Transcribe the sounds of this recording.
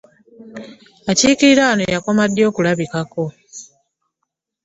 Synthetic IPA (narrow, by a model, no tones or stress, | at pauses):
aciːkiɾiɾaːnojako̞madːjo̞ːkulaβikako̞